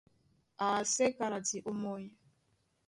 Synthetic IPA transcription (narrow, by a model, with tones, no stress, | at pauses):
a˨se˦ka˨ɾa˨ti˨ʔu˦mo˦i˦